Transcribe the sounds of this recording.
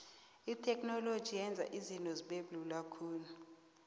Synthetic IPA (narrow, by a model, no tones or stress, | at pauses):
itʰɛkʼnɔlod̥ʒ̥ʱijɛnd͡zʱa̰ʔizintʼɔziɓeɓlulakʰuːnu